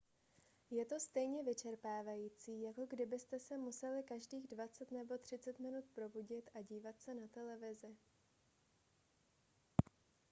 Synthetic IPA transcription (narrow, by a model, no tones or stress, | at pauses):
jɛt̪o̞st̪ɛjɲɛvɪt͡ʃɛɾpaːvajiːt͡siːjako̞ɡdɪbɪst̪ɛsɛmusɛlɪkaʒdiːɣdvat͡sɛt̪nɛbo̞t̪r̝̥ɪt͡sɛt̪mɪnut̪pɾo̞buɟɪt̪ʔaɟiːvat̪sɛnat̪ɛlɛvɪzɪ